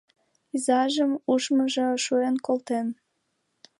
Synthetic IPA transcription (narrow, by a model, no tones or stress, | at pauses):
izɑʒəmuʃməʒoʃuenkolt̪en